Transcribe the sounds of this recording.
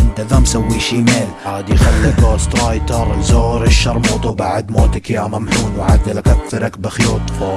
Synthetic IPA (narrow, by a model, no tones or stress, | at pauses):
d̪aðamsawːiʃiːmeːlʕaːd̪jxalːɪɡoːst̪ɾɑːjt̪ɑɾˤzoːɾɪʃːɑɾˤmuːt̪ˤubaʕd̪moːt̪ɪkjamamhuːnwʕaðːɪlakakθɪɾakbɪxjuːt̪ˤfoː